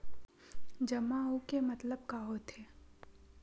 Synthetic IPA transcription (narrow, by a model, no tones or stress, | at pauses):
d͡ʒɐmaukemɐt̪ləb̚kaːɦot̪ʰeː